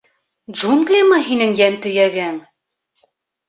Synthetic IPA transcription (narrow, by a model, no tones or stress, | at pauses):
dʒunɡlʲimɑɦinɘŋjænt̪ɵ̆jæɡæŋ